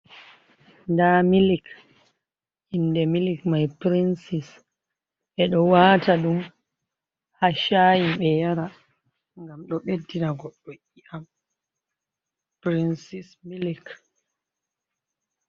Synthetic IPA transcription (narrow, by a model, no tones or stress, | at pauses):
ndamilik | ʔindɛmilikmajpɾinsis | ʔɛɗɔwaːtaɗum | haʃajiɓɛjaɾa | ŋɡamɗɔɓedːinaɡɔɗːɔʔiʔam | pɾinsismilik